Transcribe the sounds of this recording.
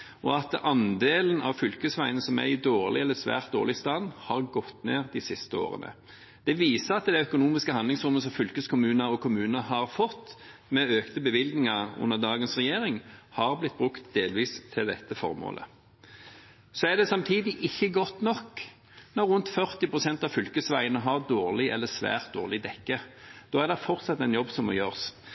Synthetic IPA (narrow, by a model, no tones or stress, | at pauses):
ɔɑt̪ɑnd̪eːlənɑ̰ʋfʏlkəsʋæɪənəsɔmæ̰ɾɪd̪oːʁlʔɪɛlːəsʋæ̰ːʁt̪̚d̪o̰ːlɪst̪ɑnːhɑʁɡɔt̪ːneːʁd̪ɪsɪst̪əo̰ːʁə̰nʔə̰ | d̪̥ɛʋiːsəʁɑt̪d̪æɛœkʊnuːmɪskəhɑnd̪lɪŋsʁʊmːəs̬ɔmfʏlkəskʰʊmʉːnɑɔkʰʊmʉːnəɦɑʁfɔt̪ːmɛøːkt̪əbəʋɪlɡ̪nɪŋɑʉ̰nːəʁd̪ɑːɡənsʁɛjeːɾɪŋhɑʁblɪt̪̚ːbʁʉkt̪d̪eːlʋiːst̪ʰɪld̪ɛt̪ːəfɔ̰ʁmo̰ːlʔə̰ | sɔæʁd̪ɛsɑmt̪ʰiːd̪ɪʔɪçːəɡɔt̪nɔkː | nɔɾːʉnt̪fœʁt̪ɪpʰʁʊsɛnt̪ɑʋfʏlkəsʋæɪənəɦɑʁd̪oːʁlɪɛ̰lːəsʋæ̰ːʁt̪̚d̪o̰ːʁlɪd̪ɛkːəd̪̥oːæʁd̪ɛfɔʁt̪sɑt̪ːɛɪnjɔbːsɔmo̰jøːʁs